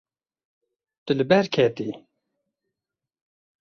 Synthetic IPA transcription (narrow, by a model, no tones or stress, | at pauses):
t̪ɨlɨbɛɾkʰɛt̪i